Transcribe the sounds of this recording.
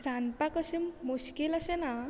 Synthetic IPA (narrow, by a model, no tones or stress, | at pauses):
ɾanpakəɕiːuɕkilaɕena